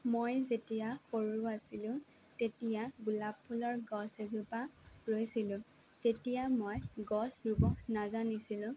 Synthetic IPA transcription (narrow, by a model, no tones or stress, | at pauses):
mojzetijaxoɹuasilʊ̃ | tetijaɡulapʰːulɔɹɡɔsezupaɹojsilʊ̃ | tetijamojɡɔsɹubɔnazanisilʊ̃